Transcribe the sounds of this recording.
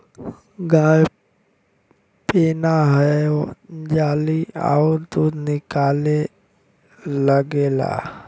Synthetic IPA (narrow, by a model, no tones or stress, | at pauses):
ɡãː | peːnaɦɛ | d͡ʒaːlia̰ʊɾt̪oːnɪkaːle | ləɡela̰ː